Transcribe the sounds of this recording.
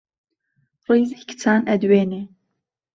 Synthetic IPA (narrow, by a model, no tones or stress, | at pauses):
rijzikʰɨ̥t͡sʰaːnɛd̪weːne